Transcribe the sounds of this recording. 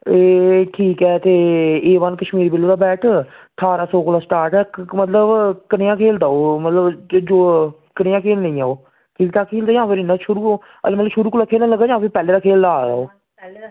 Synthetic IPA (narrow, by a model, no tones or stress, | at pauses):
eːʈʰiːkɛːt̪eːeːʋankəʃmiːɾbɪlːd̪aːbɛːʈʰʈ̪ʰaːɾaːsɔːkoːlaːsʈaːɾʈɛːmət̪ləbkənɪjãːkʰeːld̪aːoːmət̪ləbd͡ʒoː | kənɪjãːkʰeːlnə̃ĩːaːoː | kɪt̪aːkʰeːld̪aːd͡ʒãːpɪɾɪnaʃʊɾuː | ə̰lmət̪ləbʃʊɾuːkoːlaːkʰeːlãləɡaːd͡ʒãːpipɛːleːd̪aːkʰeːld̪aːɾa̰ːoː